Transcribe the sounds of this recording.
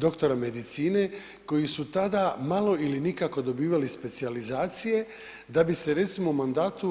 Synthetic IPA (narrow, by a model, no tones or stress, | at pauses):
d̪o̞kt̪o̞ɾame̞d̪it̪siːne̞ | ko̞jisut̪ad̪amalo̞ilinikako̞d̪o̞biːʋalispe̞t̪sializaːt̪sije̞ | d̪abise̞ɾe̞t̪simoumand̪aːt̪u